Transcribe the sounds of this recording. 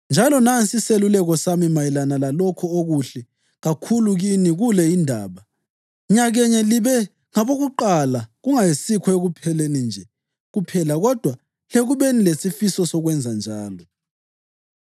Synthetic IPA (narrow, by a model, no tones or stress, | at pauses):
nd͡ʒʱalɔnansiselulɛɣɔsamimajilanalalɔkʰɔoɣuɬɛ | ɣakʰuluɣiniɣulɛindʱaːβa | ɲaɣɛɲɛliβɛ | ŋaβoɣuǃalaɣuŋajisikʰɔeɣupʰɛlenind͡ʒʱɛ | ɣupʰɛlaɣɔd̥ʱwa | leɣuβenilesifisɔsɔɣwɛnd͡zʱand͡ʒʱaːlɔ